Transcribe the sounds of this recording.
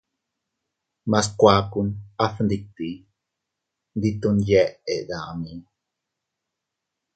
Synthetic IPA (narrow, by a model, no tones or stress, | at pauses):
maskʷaːkunaθnd̪ik̚t̪i | nd̪it̪unjeʔeʔd̪aʔmi